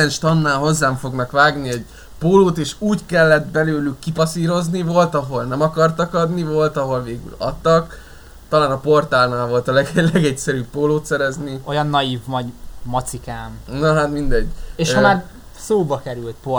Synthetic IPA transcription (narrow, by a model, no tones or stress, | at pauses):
ɛnʃt̪ɒnːaːlɦo̞zːaːɱfo̞ɡnɒkʋaːɡniɛɟ | poːloːt̪eːʃuːckɛlːɛt̪̚bɛløːlykːipɒsiːɾo̞znivo̞lt̪ɒɦo̞lnɛmɒkɒrt̪ɒkɒd̪nivo̞lt̪ɒɦo̞lveːɡy̰lɒ̰t̪ːɒk | t̪ɒlaːnɒpo̞rt̪alnaːlvo̞lt̪ɒlɛɡlɛɡɛcsɛɾypːoːloːt̪sɛɾɛznio̞jɒnːɒjiːvmɒɟmɒt̪sikaːmnoɦat̪mind̪ɛɟeʃlaːn | soːbɒkɛɾylt̪̚po